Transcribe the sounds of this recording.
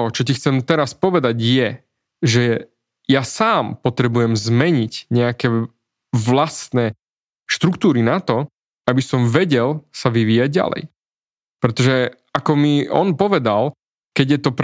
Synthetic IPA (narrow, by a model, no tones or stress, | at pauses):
ɦɔt͡ʃɔcixt͡sɛmt̪ɛɾaspɔʋɛd̪aɟjɛ | ʒɛ | jasaːmpɔt̪ɾɛbujɛmzmɛɲicɲɛakɛ | ʋlast̪nɛ | ʃt̪ɾuk̚t̪uːɾinat̪ɔ | abisɔmʋɛɟɛlsaʋiʋiːjaɟ̚ːa̰lɛ̰j | pɾɛt̪ɔʒɛ | akɔmiɔ̰npɔʋɛd̪al | kɛɟjɛt̪ɔp